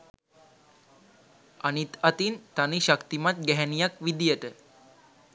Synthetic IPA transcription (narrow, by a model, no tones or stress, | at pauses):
anit̪at̪int̪aniʃakt̪imat̪̚ɡɛɦænijakʋid̪ijəʈə